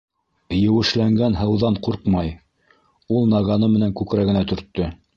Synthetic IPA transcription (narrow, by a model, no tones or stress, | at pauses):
jɘ̆wɘ̆ʃlæŋɡænɦɤ̆wðɑɴquɾqmɑj | ulˠnɑʁɑnɤmɘ̆næŋkʉkɾæɡɘ̆næt̪ɵ̆ɾt̪ːɵ